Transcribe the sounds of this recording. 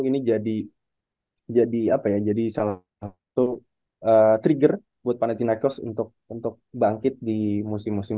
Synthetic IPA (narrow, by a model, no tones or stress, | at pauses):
inid͡ʒadi | d͡ʒadiapajad͡ʒadisala | s | t̪u | əːt̪ɾiɡər | buat̪̚panat̪inakɔsṵnt̪ʊk̚unt̪ʊk̚baŋkɪt̪̚dimusɪmːusɪ